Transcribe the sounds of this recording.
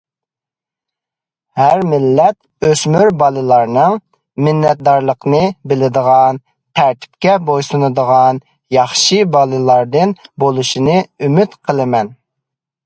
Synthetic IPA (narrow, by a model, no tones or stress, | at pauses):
hæɾmɪlːɛt̪̚ | øsmyɾbɑlˠɨlˠɑɾnɨŋ | mɪnːɛt̪̚d̪ɑɾlˠəqnɨbɪlɪd̪əʁɑn | t̪ʰæɾt̪ʰɪ̥p̚kʲɛbojsunɨd̪əʁɑn | jɑχʃɨbɑlˠɨlˠɑɾd̪ɨnbolˠuʃinɨymyt̪qʰəlˠɨmɛn